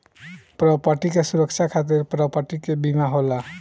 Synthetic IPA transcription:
pɾɔpaʈikesuɾəkt͡ʃʰakʰat̪̬eɾpɾɔpaʈikebimaɦola

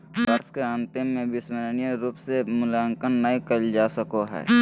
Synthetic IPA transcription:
bəɾskeə̃nt̪ɪːẽbɪsməɾənijəɾuːpsemʊlaːŋkənːəĩkəld͡ʒaːsəkoɦɛ̰ː

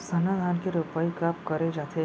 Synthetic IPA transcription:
səned̪ʱankeɾupəikapkəɾed͡ʒat̪ʰe

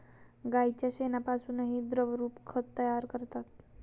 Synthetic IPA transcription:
ɡajit͡ɕjaɕenapasuːnəɦid̪ɾəʋɾuːpkʰət̪ːəjaɾkəɾt̪at̪

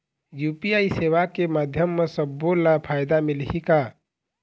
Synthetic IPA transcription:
jupiaiseʋakemad̪ʱjəmːesəbːolapʰajd̪amilɦika

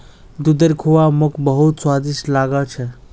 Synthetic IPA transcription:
d̪ud̪əɾkʰuwamʊkʰbəɦut̪swad̪islaɡət͡ʃʰɛ

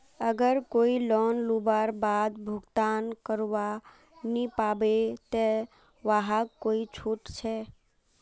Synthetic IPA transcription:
əɡəɾkoilɔːnlubaɾbad̪bʱʊɡt̪aːnkəɾʋa | nipabet̪e | ʋaɦakkːoit͡ʃʰuʈt͡ʃʰɛ

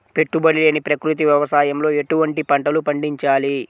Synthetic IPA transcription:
pe̞ʈːubɐɽileːnipɾɐkɾut̪̬iʋjɐʋɐsaːjɐmlo̞ːe̞ʈuʋɐɳʈipɐɳʈɐlupɐɳɖiɲt͡ʃaːli

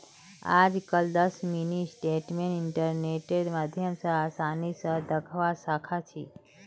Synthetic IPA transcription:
a̰d͡ʒkəld̪əsminisʈeʈmenɪɳʈəɾneʈeɖmad̪ʱjəmsəasanisəd̪əkʰʋasakʰat͡ʃʰi

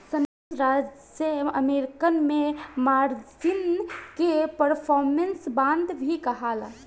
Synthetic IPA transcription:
sən | ɾad͡ʒ | jəəmeɾkənmemaɾd͡ʒinkepəɾpʰɔɾmensbãnd̪bʱikəɦala

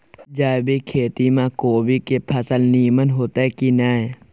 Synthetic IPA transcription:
d͡ʒaːbekʰeːt̪imãkoːbikepʰɐsəlniːmənɦot̪akinaj

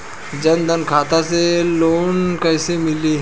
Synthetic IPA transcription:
d͡ʒənd̪ənkʰaːt̪aseloːnkəjsemɪliː

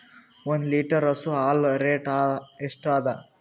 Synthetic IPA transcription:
ond̪liːʈɐɾɐsuaːlɾeːʈaːeʂʈaːd̪ɐ

